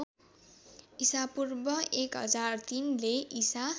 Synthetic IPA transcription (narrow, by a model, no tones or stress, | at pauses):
isapurbʌekɦʌ̰d͡zart̪inleʔisa